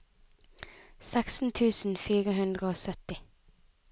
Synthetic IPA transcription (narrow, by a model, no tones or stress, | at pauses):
sɛksn̩t̪ʰʉːsn̩fiːʁəhʉnd̪ʁəoːsœt̪ɪ